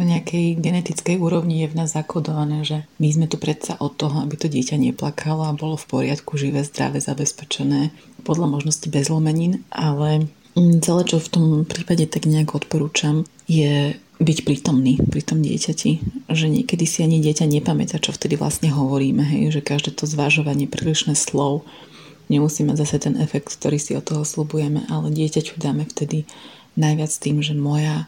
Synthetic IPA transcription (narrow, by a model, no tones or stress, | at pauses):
ɔɲɛakʰɛjɡɛnɛt̪it͡skɛjuːɾɔʊɲijɛvnaːzːakɔd̪ɔʋanɛːʒɛmizmɛt̪upɾɛt̪saʔɔt̪ːɔɦɔabit̪ɔɟɪɛcaɲɛplakʰalɔabɔlɔfpɔɾɪat̪kuʒiʋɛːzd̪ɾa̰ʋɛza̰bɛspɛt͡ʃɛnɛːpɔd̪ʎamɔʒnɔscibɛzlɔmɛɲiːnʔalɛ | t͡sɛlɛːt͡ʃɔft̪ɔmpɾiːpaɟɛt̪aɡɲɛakɔɔt̪pɔɾuːt͡ʃam | jɛ | bicpɾiːt̪ɔmniːpɾiːt̪ɔmɟɪɛ̰cacʰiʒɛɲɪɛkɛd̪isiaɲiɟɪɛcaɲɛpamɛ̰t̪aːt͡ʃɔft̪ɛd̪iʋla̰sɲɛɦɔʋɔɾiːmɛɦɛ̰jʒɛkaʒd̪ɛːt̪ʰɔzʋaʒɔʋaɲɪɛpɾḭːliʃnɛːslɔʊ | ɲɛmusiːmaɟzasat̪ɛnʔɛfɛk̚t̪kt̪ɔɾiːsiɔt̪ɔɦɔslubujɛmɛ̰ʔalɛɟɪɛcacud̪aːmɛft̪ɛd̪i | najʋɪat͡st̪iːmʒɛmɔja